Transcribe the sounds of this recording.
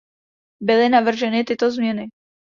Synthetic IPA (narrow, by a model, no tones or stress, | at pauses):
bɪlɪnavr̩ʒɛnɪt̪ɪt̪o̞zmɲɛnɪ